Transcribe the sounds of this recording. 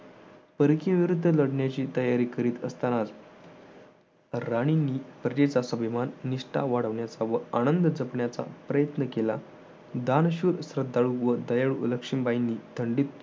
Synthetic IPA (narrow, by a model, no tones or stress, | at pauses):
pəɾkiə̃ʋiɾud̪ʱːələɽɳjat͡ɕiːt̪əjaɾiːkəɾiːt̪əst̪anat | ɾaɽ̃iniːpɾəd͡ʑet͡sasəbʱimanːiʂʈa̰ʋaɽ̤əʋɳjat͡saʋəanənd̪əd͡zəpɳjat͡sa̰pɾəjət̪nəkela̰ | d̪anɕuːɾsɾəd̪aɭuːʋəd̪əjaɭuuləkʂimbainːiːt̪ʰəɳɖiːt̪